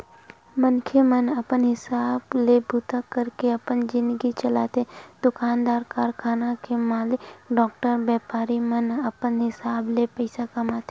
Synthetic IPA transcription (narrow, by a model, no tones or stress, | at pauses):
mənkʰemənɐpənɦɪsaːblebuːt̪akəɾkeɐpənd͡ʒɪ̃nd̪əɡit͡ʃəlaːt̪ed̪ʊkaːnd̪aːɾkaːɾkʰaːnakemaːlɪkɖɔːk̚ʈəɾbɛːpaːɾimənɐpənɦɪsaːblepɛɪsakɐmaːt̪e